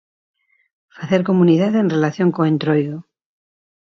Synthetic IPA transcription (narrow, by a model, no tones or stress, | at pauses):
faθe̞ɾko̞muniðaðenrelaθjo̞ŋkoẽnt̪ɾojðo